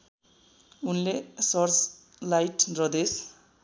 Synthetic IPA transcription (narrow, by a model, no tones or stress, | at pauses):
unlesʌrt͡s | lajʈrʌd̪es